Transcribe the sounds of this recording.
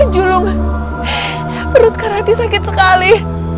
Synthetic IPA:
d͡ʒulʊŋ | pəɾʊt̪̚kaɾat̪isakɪt̪̚səkali

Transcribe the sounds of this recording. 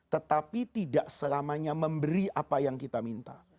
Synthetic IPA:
t̪ət̪apit̪idaʔsəlamaɲaməmbəɾiapajaŋkit̪amint̪a̰

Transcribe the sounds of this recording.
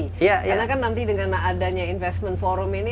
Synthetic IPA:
jaanakanːant̪idəŋanadaɲainfɛstmənfoɾɔmini

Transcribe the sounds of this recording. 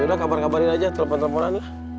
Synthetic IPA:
udakabarkabaɾinad͡ʒat̪ələpant̪əmpoɾanlah

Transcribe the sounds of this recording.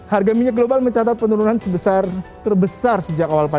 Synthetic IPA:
harɡamiɲak̚ɡlobalməɲt͡ʃat̪at̪̚pənuɾunansəbəsart̪ərbəsarsəd͡ʒakawalpa

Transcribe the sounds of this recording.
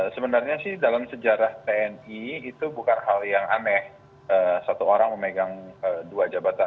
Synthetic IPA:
səbənarɲasɪhdalamsəd͡ʒaɾaht̪eɛniːt̪ubukanɦaljaŋamɛh | əːsat̪uoɾaŋməmeɡaŋəduad͡ʒabat̪a

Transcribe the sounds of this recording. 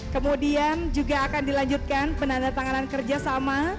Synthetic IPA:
kəmodiand͡ʒuɡaːkandilaɲd͡ʒut̪̚kanpənandat̪aŋanankərd͡ʒasama

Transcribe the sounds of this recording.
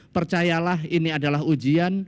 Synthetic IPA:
pərt͡ʃajalaɦiniadalaɦud͡ʒian

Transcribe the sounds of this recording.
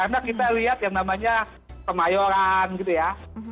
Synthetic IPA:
karnakit̪aliɦat̪̚jaŋnamaɲa | kəmajoɾanɡit̪uja

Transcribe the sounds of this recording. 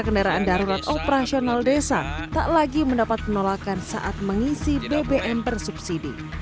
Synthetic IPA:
kəndaɾaʔandaɾuɾat̪opəɾasionaldesa̰t̪aʔlaɡiməndapat̪̚mənolakansa̰ʔat̪̚məŋisibebeʔɛmpərsup̚sidḭ

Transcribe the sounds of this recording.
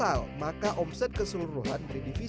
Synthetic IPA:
almakaʔɔmsɛt̪̚kəsəluɾuɦanbɾidifi

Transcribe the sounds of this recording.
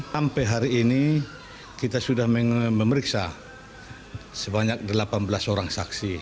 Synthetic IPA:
ampɛɦaɾiːni | kit̪asudahməŋməməɾiksa | səbaɲak̚dəlapanbəlasoɾaŋsaksi

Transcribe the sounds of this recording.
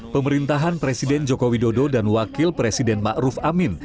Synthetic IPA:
pəməɾint̪aɦanpɾesidɛnd͡ʒokowidododanwakɪlpɾesidɛnmaʔɾufamɪn

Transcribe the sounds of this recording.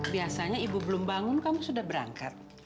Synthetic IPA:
biasaɲaibubəlʊmbaŋʊnkamusudahbəɾa̰ŋkat̪̚

